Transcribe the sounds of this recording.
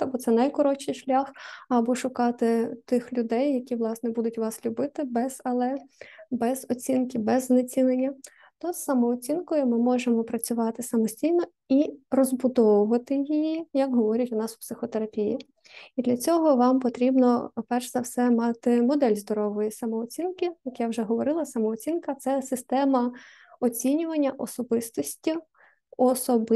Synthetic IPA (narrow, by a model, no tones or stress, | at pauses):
t̪ɐbɔt̪sɛnɐjkɔɾɔt͡ʃɪjʃlʲaxɐbɔʃʊkɑt̪ɪt̪ɪxlʲʊd̪ɛjːɐkʲiʋlˠɑsnɛbud̪ʊtʲʋɑslʲʊbɪt̪ɪbɛz̥ɐlˠɛbɛzɔt͡sʲinkɪbɛznet͡sʲinenʲːɐ | t̪ɔssɐmɔːt͡sʲinkɔjʊmɪmɔʒemɔpɾɐt͡sʲʊʋɑt̪ɪsɐmɔsʲtʲijnɔ | irɔzbʊd̪ɔʋʊʋɐt̪ɪjijijɐkɦɔʋɔɾʲɐtʲʊnɑsʊ̥psɪxɔt̪eɾɐpʲijḭ | id̪lʲɐt͡sʲɔɦɔʋɑmpɔt̪ɾʲibnɔpɛrʃzɐwsɛmɑt̪ɪmɔd̪ɛlʲzd̪ɔɾɔʋɔjisɐmɔːt͡sʲinkɪjɐkjawʒɛɦɔʋɔɾɪlˠɐsɐmɔɔt͡sʲinkɐt̪sɛsɪst̪ɛmɐ | ɔt͡sʲinʲʊʋɐnʲːɐʔɔsɔbɪst̪ɔsʲtʲi | ɔsɔb